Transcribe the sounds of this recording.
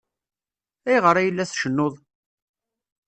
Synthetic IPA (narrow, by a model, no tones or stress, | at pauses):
æjʁəɾˤæjəlːæθʃənːoðˤ